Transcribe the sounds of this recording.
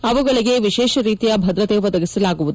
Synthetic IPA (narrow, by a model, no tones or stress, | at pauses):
ɐʋɐɡɐɭiɡe̞ʋiʃɛːʃɐɾiːt̪ijɐbʱɐd̪ɾɐt̪eʋɐd̪ɐɡisɐlaːɡuʋud̪